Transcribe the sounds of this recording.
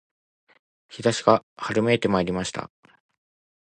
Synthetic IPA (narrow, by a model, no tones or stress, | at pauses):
çid̪aɕiɡahaɾɯ̟meːt̪e̞maeɾʲimaɕi̥t̪a̰